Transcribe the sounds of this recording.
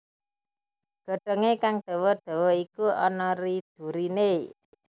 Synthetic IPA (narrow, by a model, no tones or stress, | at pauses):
ɡ̥o̤ɖ̥ə̤ŋekaŋɖ̪̥e̤wɔɖ̪̥o̤wɔikuɔnɔɾid̪̥ṳɾine